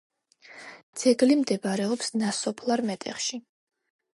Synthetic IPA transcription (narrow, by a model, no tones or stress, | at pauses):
d̪z̥ɛɡlimd̪ɛbaɾɛɔpsnasɔpʰlˠaɾmɛt̪ʼɛ̰χʃi